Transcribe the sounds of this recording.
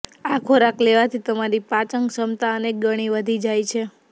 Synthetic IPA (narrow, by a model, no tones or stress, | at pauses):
akʰoɾakleʋat̪ʰit̪əmaɾipat͡ʃəŋɡsəmt̪aənek̚ɡəɽ̃iʋəd̪ʱid͡ʒajt͡ʃʰe